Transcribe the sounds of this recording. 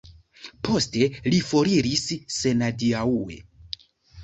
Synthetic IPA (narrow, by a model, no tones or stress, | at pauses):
pʰo̞ste̞lifo̞ɾiɾisːe̞nadiaue̞̰